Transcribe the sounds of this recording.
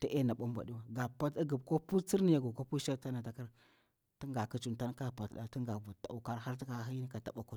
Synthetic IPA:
ta˦ʔe˦na˨ɓa˦m˦bʷa̰˨ɗi˦wa˦ɡa˨pa˦ti˦ɡə˨bko˦pu˦t͡si˦ɾni˦ja˨ɡu˨ko˦pu˦ʃa˦ta˦na˨ta˨ka˦ɾ | ti˦ŋɡa˨ki˦t͡ʃu˨nta˦n˦ka˦˨pa˨tɗa̰˦˨ti˦ŋɡa˨vu˨ta̰˨u˨ka˦ɾha˦ɾti˦ka˨˦ɦi˦ni˦ka˨ta˨ɓa˦ku˦

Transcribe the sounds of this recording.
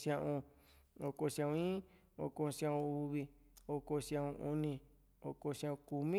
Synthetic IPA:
sjã˧ʔũ˧ | o˧ko˧sjã˧ũ˧ĩ˦ | o̰˧˨kõ˧sjã˧ũ˧u˧βi˧ | o˧ko˧sjã˧ʔũ˧ʔu˧nĩ˧ | o˧ko˧sã˧ũ˧ku˨mĩ˦

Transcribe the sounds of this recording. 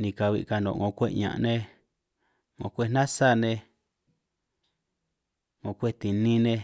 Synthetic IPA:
nĩ˧ka˧βḭ˧ka˧nõ̰˧˨ŋõ˧kʷe˦ʔɲã̰˧ʔnẽ˧ | ŋõ˧kʷe˦nã˦sa˦˨nẽ˧ | ŋõ˧kʷe˦t̪i˨nĩ˦nẽ˧

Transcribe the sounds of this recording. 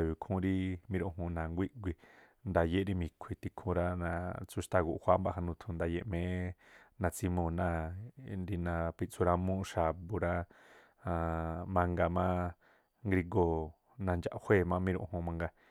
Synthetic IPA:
ji˨kʰũ˧˦ɾi˦mĩ˦ɾõ˧ɦũ˧nã˨ŋɡʷi˦ʔɡʷi˧ | nd̪a˧je˦ɾi˦˧mĩ˧kʷʰi˧t̪i˧kʰũ˧ɾã˧nã˧t͡su˧ʃt̪a˧ɡu˧ʔhʷa˦mba˧˨ɦa˧nũ˧t̪ʰũ˧nd̪a˧je˧ʔmẽ˨˦nã˧t͡si˧˦mõ˧˨nã˦˧nɾi˧nã˧pi˧t͡su˧ɾã˧mũ˦ʃa˨bu˧ɾã˦˧ | mã˧ŋɡa˧mã˦ | ŋɡɾi˧ɡo˧ | nã˧nd͡ʒa̰˨ʔhʷe˦˨mã˦mĩ˦˧ɾõ̰˧hũ˧mã˧ŋɡa˧

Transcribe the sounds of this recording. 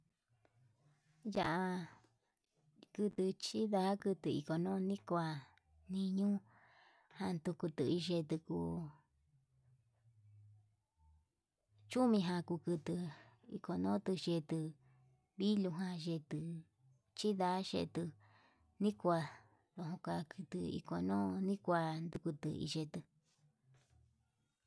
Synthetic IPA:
ja˧˨ʔa˧ | kɨ˧t̪ɨ˧t͡ʃi˦ða˧˦kɨ˧t̪ɨ˧ḭ˧˨ko˨nõ˦˧nĩ˦kʷa˧ | nĩ˧ɲũ˦ | hã˧nt̪u˧ku˧t̪ɨ˧˨i˧ʒe˧t̪ɨ˧ku˧ | t͡ʃu˦mĩ˧ɦã˧ku˧kɨ˧t̪ɨ˧ḭ˧ko˧nõː˦t̪ɨ˧ʒe˧t̪ɨ˧ | βi˦lũ˧ɦã˧ʒe˧t̪ɨ˧ | t͡ʃi˦ða˧˦ʃḛ˧t̪ɨ˧ | nĩ˦kʷa˧ | ðõ˧˨ɦõ˧kʷa˧kʰɨ˧t̪ɨ˧ḭ˧ko˧nõː˦nĩ˦kʷa˧nd̪u˧ku˧t̪ɨ̰˧ḭ˧ʒe˧t̪ɨ˧

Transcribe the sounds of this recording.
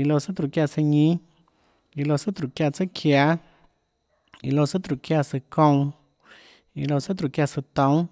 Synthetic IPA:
i˧lo˧sɨ˦t̪ɾu˨kja˧˨sə˧ɲĩ˦ | i˧lo˧sɨ˦t̪ɾu˨kja˧t͡sɨ˦kʰja˧˦ | i˧˨lo˧˨sɨ˦t̪ɾu˨kja˧sɨ˧kõ˧w | i˧lo˧sɨ˦t̪ɾu˨kja˧sɨ˧t̪õ˧˦w

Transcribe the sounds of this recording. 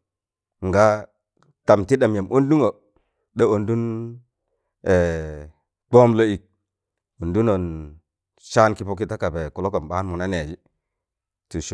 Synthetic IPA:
ŋ˨ɡa˦ | ta˨mti˦ɗa˨m˨ja˨mʔo˦ndu˦ŋo˨ | ɗe˦o˨ndu˦n | e˨ | k͡po˦mlo˦i˨k̚ | o˨ndu˦no˨n | ʃa˦nki˦po˦k̬i˦ta˦ka˨be˨ku˨lo˦ko˨nɓa˦nmu˨na˦ne˨d͡ʒi˦ | tu˨ʃ

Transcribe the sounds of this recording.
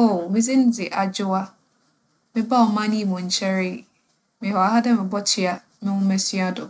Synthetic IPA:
o˦˨mɪ̃˦d͡zɪ˦n̩˦d͡zɪ˨ʔa˨d͡ʑʊ˦a˦ | mɪ̃˦ba˦wɔ˨mã˦nĩ˦˨mɔ̃˨ɲ̩˨t͡ɕʰɛ˦ɾɪ˦˨ | mɪ̃˨hɔ˨a˨ha˦dɛ˦mɪ̃˨bɔ˦t͡ɕʰɪ˦a˦ | mɪ̃˦wʊ̃˦mɛ˦si˦a˦dʊ˨

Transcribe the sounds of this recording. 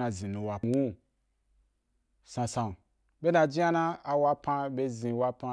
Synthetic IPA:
na˧zĩ˨nũ˨wa˨wu˦ | sã˧sã˨n | ɓe˦na˧d͡ʒi˦a˦nã˦a˨wa˦pã˧be˦zĩ˧wa˦pã˧

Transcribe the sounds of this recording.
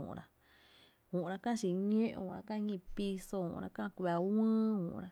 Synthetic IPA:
ṵ̃˨˧ɾa˧ | ũ˨ʔɾa˧kã˦t͡ʃi˧˨ɲẽ˦ʔṵ̃˧a̰˧ka˦˧ɲĩ˧pi˧so˧ṵ̃˧˨ʔɾa̰˧kã˦˧ku˧a˨˧wĩː˦ṵ̃˨˧ɾa˧

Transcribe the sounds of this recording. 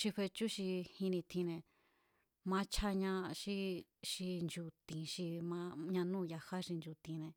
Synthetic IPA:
ʃi˧ɸe˧t͡ʃu˦ʃi˧hĩ˧nĩ˧t̪ʰĩ˧nẽ˧ | mã˧˦t͡ʃʰa˦ɲã˧ʃi˦ʃi˧nd͡ʒu˧t̪ĩ˨ʃi˧mã˧ɲã˧nũː˦˨˧ja˧ha˦ʃi˧nd͡ʒu˧t̪ĩ˧nẽ˧

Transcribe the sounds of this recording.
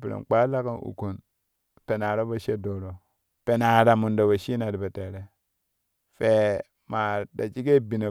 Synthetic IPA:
pi˨ɾḛ˨nk͡pa˦la˦ka˦nṵ˨ku˨n | pe˨na˨ɾo˦ba˦ʃe˦do˨ɾo˨ | pe˨na˨ɾa˨mu˨ndo˨ba˨ʃi˦na˨di˨be˨te˨ɾe˦ | fe˨ | ma˨da˨t͡ʃi˦ɡe˦bi˨na˨

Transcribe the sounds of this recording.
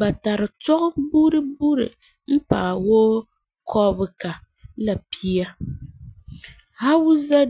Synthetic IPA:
ba˨ta˨ɾɨ˨tɔ˦ʔʊ˦buː˦ɾɨ˦buː˦ɾɨ̰˨ | m̩˦pa̰ː˨woː˦ | kʰɔ˦bɨ˨ka˨ | la˨pʰi˦a˦ | ha˦wu˦za˦

